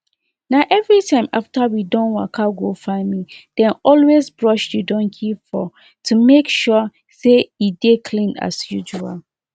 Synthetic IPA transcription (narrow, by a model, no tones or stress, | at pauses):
naʊʔɛvɹitʰãɪ̃maftawidɔ̃nwa̰kʰaɡofãɪmĩd̥ɛ̃nɔlwezbɹɔʃjudɔ̃nkʰifɔ | tʰumekʃɔ | seidekʰlĩna̰sjud͡ʒua̰l